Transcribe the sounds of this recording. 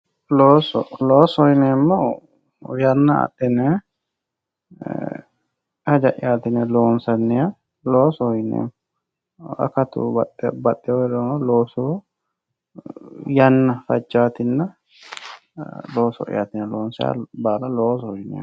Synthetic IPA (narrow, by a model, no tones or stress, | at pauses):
loːsɔ̰loːsɔjnemːɔ | jɐnːɐɐ̰t̪ːɪnɛ | hɐd͡ʒɐʔɪ̰jaːt̪ɪnɛloːnsɐnːɛja | loːsɔhɔjnḛːmːɔ | ɐ̰kɐt̪ṵbɐbɐt̪ʼːɪjɔd̪omɔloːsu | jɐnːɐfɐd͡ʒːaːt̪ɪnːɐ | lo̞ːsɔ̰ʔɪ̰ja̰ːt̪ɪnɛloːnsɪja̰baːlɐloːsɔhɔjnɛ̰